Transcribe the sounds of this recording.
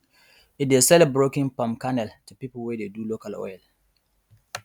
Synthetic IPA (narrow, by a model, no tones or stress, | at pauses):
it̚desɛlɛbɹokĩŋpãmkanɛltupipəl̩wɛdedulokalɔ̰jl